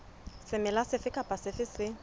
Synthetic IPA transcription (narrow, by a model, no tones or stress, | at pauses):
sɪmɪlasɪfɪkʼapʼasɪfɪsɪ